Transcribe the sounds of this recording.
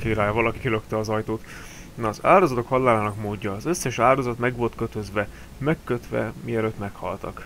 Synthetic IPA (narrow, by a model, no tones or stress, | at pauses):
keːɾaːjɒvɒlɒki̥køløkt̪ɛɒzɒjt̪oːt̪ | nɒːza̰ːld̪o̞zɒt̪o̞khɒllːaːlaːnɒkmoːɟːɒːzø̞sːɛʃaːd̪o̞zɒt̪mɛɡʋo̞lt̪køt̪ø̞zʋɛ | mɛkːøt̪ʋɛ̰miɛløːt̪mɛkhɒ̰lt̪ɒ̰k